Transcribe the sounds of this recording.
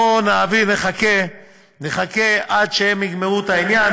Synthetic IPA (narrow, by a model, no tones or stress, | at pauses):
onaːvineχake | neχakeʔadʃeemiɡmeʁut̪ainjan